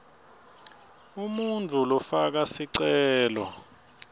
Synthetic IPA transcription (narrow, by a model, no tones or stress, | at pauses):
umuntʰʼulɔfak̬asiǀɛɛːlɔ̰